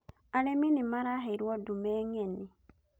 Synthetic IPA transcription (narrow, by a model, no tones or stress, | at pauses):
aleminimaɾaɦeiɾwɔdumeŋeni